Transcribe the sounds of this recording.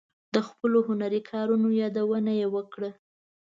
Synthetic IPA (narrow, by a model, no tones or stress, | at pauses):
d̪̥əxpəloɦʊnaɾikʰɑɾunojɑd̪awənajewəkɽə